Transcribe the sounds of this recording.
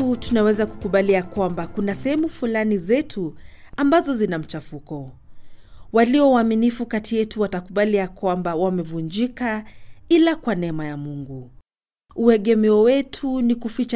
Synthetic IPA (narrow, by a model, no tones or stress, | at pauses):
utunawɛzaku̥kuɓaliakwambakunasɛhɛmufulanizɛtʰu | ambazɔzinam̩t͡ʃafukɔ | waliɔwaːminifukatʰijɛtuwatakuɓaliakwambawamɛvund͡ʒikailakwanɛɛmajamuŋɡu | uɛɠɛmɛɔwɛtʰunikufit͡ʃ